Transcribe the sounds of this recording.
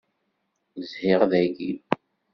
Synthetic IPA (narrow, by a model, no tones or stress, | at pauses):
zhɪʁðæɡi